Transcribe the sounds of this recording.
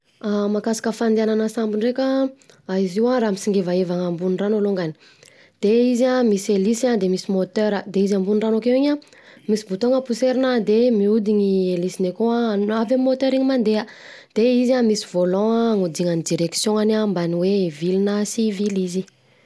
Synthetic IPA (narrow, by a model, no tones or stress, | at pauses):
amakasḁkəfand̪iananəsambiɳrekə | aiziwaramisiŋɡevaevaŋəmbunranoloŋɡani̥ | d̪̥eizamiselisad̪emisimot̪øɾəd̪eizambunranokewiɲa | misibut̪oŋəpuseɾinad̪emiud̪iɲielisinekoaavammot̪øɾiɲimand̪eəd̪̥eizamisivolɔ̃ŋud̪iŋanid̪iɾeksjõŋanambaniwevilinasivilizi